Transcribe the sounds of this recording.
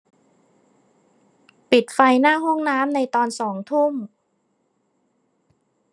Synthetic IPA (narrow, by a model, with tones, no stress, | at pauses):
pi˨˩t̪̚fa˧jnaː˥˩ɦo˥˩ŋnaː˦˥mna˧jt̪ɔː˧nsɔː˩˦ŋt̪ʰu˥˩m